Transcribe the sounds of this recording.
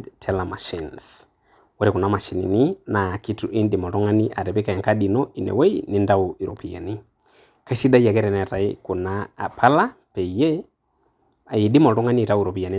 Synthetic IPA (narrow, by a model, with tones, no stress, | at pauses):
tʰɛlama˨ʃins | wɛɾɛku˨nama˨ʃi˨nḭ˨ni˦naki˦tu˨ʔi˦nɗi˨mɔ˨tɔ˦ŋa˦ni˦ʔa˨ɾɛ˨pɛ˦ka˨jɛ˨ŋkaɗinɔi˨nɛ̰˨wɛ˦ini˦nda˦ui˨ɾɔ̰pi˨ja̰˨ni˦ | ka˦i˦si˦da˦i˦a˨kɛ˦ɾɛ˨nɛɾa˨ḭku˨na̰˨pʰala˦ | pɛ˨i˨jɛ˦ | a˨jiɗi˦mɔ˨lɔ˦ŋa˦niː˦˨tauɾɔpi˨a˨ni